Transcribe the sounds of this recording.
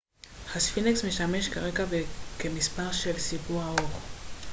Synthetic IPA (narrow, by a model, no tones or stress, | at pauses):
χasfineksmeʃameʃkaʁekavekemispaʁʃelsibuʁaoʁ